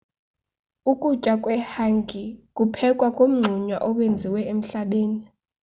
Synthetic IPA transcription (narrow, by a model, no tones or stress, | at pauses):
ukʼut͡ʃʼakʼwɛhaŋɡʱikʼupʰɛkʼwakʼom̩ŋ͡ǀʱuɲwa̰ʔɔɓwend͡zʱiwɛem̩ɬaɓeːni